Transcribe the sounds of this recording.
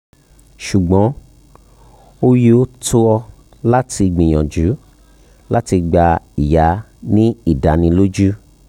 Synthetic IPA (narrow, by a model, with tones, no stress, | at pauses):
ʃu˨ɡ͡bɔ̃˨˦ | o˦ji˦o˦tʰo˦ɔ˧ | la˦ti˧ɡ͡bĩ˨j̃ɔ̃˨d͡ʒu˨˦ | la˦ti˧ɡ͡ba˧i˨ja˨˦ | nĩ˦i˦˨da˨˦nĩ˧lo˦d͡ʒu˦